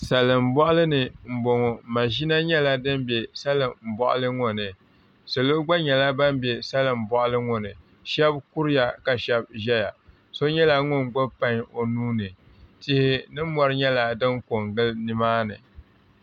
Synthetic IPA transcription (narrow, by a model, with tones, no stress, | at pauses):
sa˨lɨ˨m̩˨bɔ˦ʔʊ˦lɨ˦nɨ˨m̩˨bo˨ŋɔ˨ma˨ʒi˦na˦ɲɛ˦la˦dɨ˦m˦be˨sa˦lɨ˨m̩˨bɔ̰˨ʔʊ̰˦lɨ˦ŋɔ˨nɨ˨ | sɨ˨lo˦ɡ͡ba˦ɲɛ˨la˦ba˦m˦bje˨sa˦lɨ˨m̩˨bɔ˦˨ʔʊ˦lɨ˦ŋɔ˨nɨ˨ | ʃɛ˦bku˦ɾɪ˦ja˨ka˨ʃɛ˦b̚ʒɛ˦ja˨ | so˦ɲɛ˦la˨ŋʊ˦nɡ͡bo˦pa˦˨ɲo˨nuː˦nɨ˨ | tɪ˦hɪ˦nɨ˦mɔ˨ɾɨ˦ɲɛ˦la˦dɨ˦ŋko˨ŋɡɨ˦lnɨ˨maː˦nɨ˨